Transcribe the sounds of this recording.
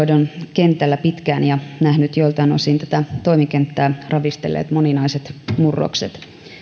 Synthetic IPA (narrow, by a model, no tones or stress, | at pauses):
donkent̪ːˑælːæpit̪kæːnjɑnæhnyt̪joilt̪ɑino̰sint̪æ̥t̪æt̪o̞imikent̪ːæːrɑʋist̪elːḛːt̪moninɑiset̪murːo̰kset̪